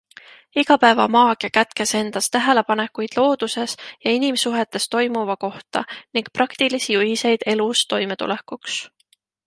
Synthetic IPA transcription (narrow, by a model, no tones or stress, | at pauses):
iɡɑpæevɑ̰mɑːkekæt̪ke̞se̞nd̪̥ɑst̪æɦe̞le̞pɑne̞kujd̪̥lo̞ːd̪̥use̞sjɑinimsuɦe̞t̪ːˑe̞st̪o̞jmuvɑko̞ht̪ɑ̰niŋɡ̥̚prɑkt̪ilisijuhise̞jd̪̥e̞lust̪o̞jme̞t̪ṵle̞kːˑuks